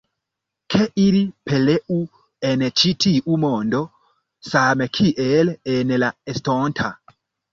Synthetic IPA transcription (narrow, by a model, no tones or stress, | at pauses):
kʰɛʔiɾipɛlɛʔu | ɛnɛt͡ʃitʰiʔumɔndɔ | samɛkʰiʔɛlɛnɛlaɛstɔntʰa